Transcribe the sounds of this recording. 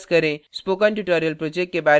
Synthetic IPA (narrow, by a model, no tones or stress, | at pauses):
skəɾẽspokaɳʈuʈəɾijəlpɾod͡ʑek̚ʈkebaɾ